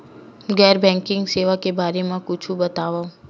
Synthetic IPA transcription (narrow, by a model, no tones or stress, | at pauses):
ɡɛːɾbɛ̃ŋkɪ̃ŋɡseːʋakebaːɾemãkʊt͡ʃʰũbət̪aːʋaũ